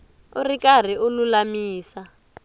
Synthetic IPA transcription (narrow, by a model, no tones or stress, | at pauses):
urikar̤iʔʊlulamiːsa